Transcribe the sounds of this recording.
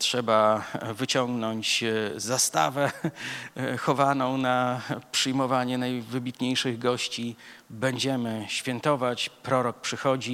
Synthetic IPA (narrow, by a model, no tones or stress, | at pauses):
tʂɛbavɘt͡ɕɔŋɡnɔɲt͡ɕzast̪a̰vɛ | xɔvanɔ̃w̃napʂɘjmɔvaɲɛnajvɘbʲit̪ɲejʂɘɣɡɔɕt͡ɕibɛɲd͡ʑɛmɘɕfʲjɛnt̪ɔvat͡ɕpɾɔɾɔk̚pʂɘxɔd͡ʑi